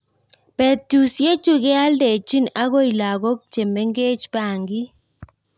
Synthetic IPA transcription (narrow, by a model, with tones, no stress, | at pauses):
pɛ˨tu˨sje˦t͡ʃu˦ɣɛ˦a˦ldɛ˨t͡ʃi˦na˦ɣo˦i˨la˨ɣo˦k̚t͡ʃe˨mɛ˦ŋɡe˦t͡ʃpa˦˨ŋɡi˦